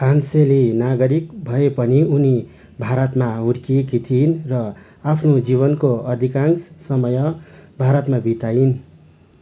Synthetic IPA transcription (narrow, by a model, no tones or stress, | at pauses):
panselinaɡʌɾik̚bʱʌepʌniuni | bʱaɾʌt̪maɦuɾkikit̪ʰinrʌ | apʰnod͡ziβʌnkoʌd̪ʱikanssʌmʌjʌbʱaɾʌt̪mabʱit̪ain